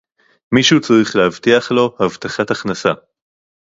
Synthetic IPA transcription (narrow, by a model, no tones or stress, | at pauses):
miʃut͡saʁiχleavt̪iaχlo̞havt̪aχataχnasa